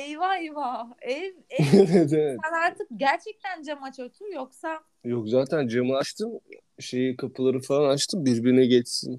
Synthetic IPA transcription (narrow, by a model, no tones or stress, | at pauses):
ejvajvaɛvevɛt̪evɛt̪ænaɾt̪ʰɯk̚ɟæɾt͡ʃʰɛc̚t̪ʰænd͡ʒamat͡ʃʰot̪ʰujoksa | jokzaːt̪ʰænd͡ʒamɯat͡ʃt̪ʰɯm | ʃe̞jikʰapʰɯlˠaɾɯfalˠanat͡ʃt̪ʰɯmbiɾbiɾinɛɟɛt͡ʃsḭn